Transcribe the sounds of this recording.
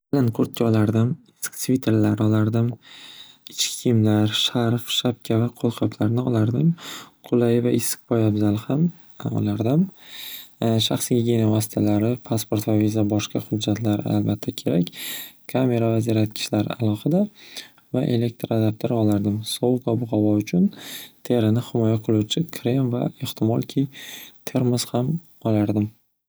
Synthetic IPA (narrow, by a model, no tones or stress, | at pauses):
bɪlankʰɵɾt̪̚t͡ʃʰɒlaɾd̪ɪmɪskt̪ʰvit̪ʰːeɾlaɾɒlaɾd̪ɪm | ɪt͡ʃʰkʲɪ̥kʰʲimlaɾʃaɾfʃap̚kʲʰavaqʰolˠqʰɒp̪ʰlaɾnɪɒlˠaɾd̪ɪmqʰʊlˠajɪvaɪskpʰɒjabzalɪham | ɒ̰laɾd̪ɪm | ʃaχsɡʲiɡʲenavɒsɪ̥t̪ʰalaɾɪpʰaspoɾt̪vavizabɒʃqɑhʊd͡ʒːat̪ʰlaɾɪ̰a̰lbat̪ʰːakʲʰe̞ɾakʲkʰame̞ɾavaziɾat̪̚kʲʰɪ̥ʃlaɾalˠɒhɨd̪a | vaʔe̞le̞k̚t̪ɾad̪ap̚t̪ʰoɾɒlaɾd̪ɪmsowkabʊhavɒʊt͡ʃʰʊnt̪ʰe̞ɾɪnɪhɪmɒjaqʰɨlˠʊwt͡ʃʰɪkʰɾemva̰e̞ht̪ʰɪmɒlˠkʲʰijt̪ʰe̞ɾmɪz̥ham | ɒlaɾd̪ɪm